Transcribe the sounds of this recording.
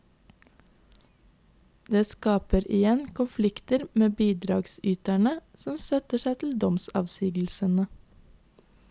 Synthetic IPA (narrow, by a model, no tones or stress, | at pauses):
d̪eːskɑːpəɾɪjɛnkʰʊnflɪkt̪əɾmeːbiːd̪ɾɑːɡsʏːt̪æɳəsɔmsœt̪əʃæɪt̪ʰl̩d̪ɔmsɑ̰ːʋsiːɡl̩sənə